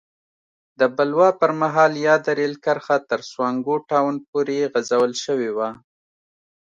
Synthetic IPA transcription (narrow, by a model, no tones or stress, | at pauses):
d̪əbalwɑpəɾmaɦɑljɑd̪aɾelkaɾxat̪əɾswɑŋɡoʈɑwnpoɾeɣazawəlʃəwewa